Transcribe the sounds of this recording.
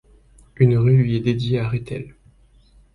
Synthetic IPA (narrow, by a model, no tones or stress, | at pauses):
ynʁylɥiɛd̪ed̪jeaʁet̪ɛl